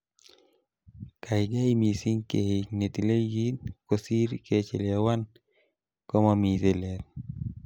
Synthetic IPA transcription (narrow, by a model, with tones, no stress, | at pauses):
ka˨ɪ˨ɡa˦i˦mi˨si˦ŋke˨he˨ne˨t̪i˨le˦ɡi˦nko˨si˦ɾke˦t͡ʃe˨lja˨wa˦n | kɔ˦ma˦mi˨ze˨lɛ˨t